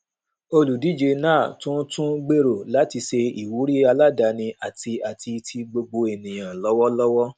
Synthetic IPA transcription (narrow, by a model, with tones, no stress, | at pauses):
o˧lu˨di˨˦d͡ʒe˧nãː˦˨tũ˦tũ˦ɡ͡be˦ɾo˨la˨˦ti˧ʃe˧i˨wu˨˦ɾi˦a˧la˦da˨˧nĩ˧a˨ti˧a˨ti˧tʰi˧ɡ͡bo˧ɡ͡bo˧e˨nĩ˨j̃ã˨lɔ˦wɔ˦lɔ˦wɔ˦